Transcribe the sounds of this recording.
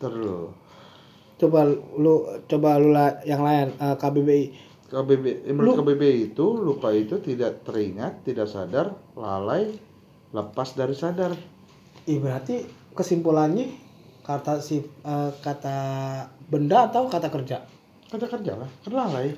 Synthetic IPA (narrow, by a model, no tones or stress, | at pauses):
t̪əɾu | t͡ʃobalut͡ʃobalulajaŋlajanəkabebei | kabebemlukabebeiːt̪ulupait̪ut̪idaʔt̪əɾiŋat̪ːidaʔsa̰darla̰laj | ləpasdaɾisadar | ibəɾart̪ikəsimpulanɲɪ | kart̪asiəkat̪a | bəndaːt̪awkat̪akərd͡ʒa | kat̪akərd͡ʒalahkənlalaj